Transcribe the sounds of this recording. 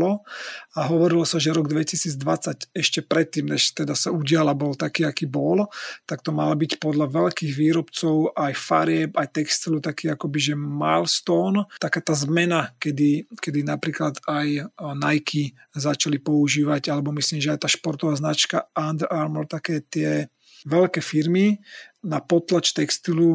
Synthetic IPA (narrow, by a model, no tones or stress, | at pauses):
lɔaɦɔʋɔɾilɔsaʒɛɾɔɡd̪ʋɛcisiːd͡zd̪ʋat͡sacɛʃcɛpɾɛt̪ːiːmnɛʃt̪ɛd̪asauɟɪalabɔlt̪akiːakiːbɔlt̪akt̪ɔmalabicpɔd̪laʋɛʎkiːɣʋiːɾɔpt͡sɔʊʔajfa̰ɾɪɛpajt̪ɛkst̪ilut̪akiːakɔbiʒɛmajlst̪ɔnt̪akaːt̪aːzmɛnakɛd̪ikɛd̪inapɾiːklad̪ajnajkʰi | zat͡ʃalipɔuʒiːʋaɟalɛbɔmisliːmʒɛajt̪aːʃpɔɾt̪ɔʋaːznat͡ʃkaand̪ɛɾʔaɾmɔlt̪akɛːt̪ɪɛ | ʋɛlkɛfiɾminapɔt̪lat͡ʃt̪ɛkst̪ilu